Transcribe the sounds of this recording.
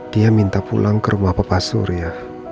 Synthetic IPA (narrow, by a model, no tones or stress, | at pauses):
d̥iamint̪apṵlaŋkəɾumahpapasṵɾja